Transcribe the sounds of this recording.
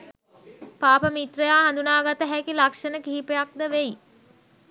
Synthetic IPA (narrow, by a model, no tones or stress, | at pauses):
paːpəmit̪rəjaːɦand̪unaːɡat̪əɦækilakʂənəkiɦipejak̚d̪əʋej